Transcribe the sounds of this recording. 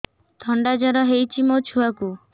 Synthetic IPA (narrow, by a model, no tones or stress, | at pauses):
t̪ʰɔɳɖad͡ʒaɾɔɦejt͡ʃʰimot͡ʃʰuaku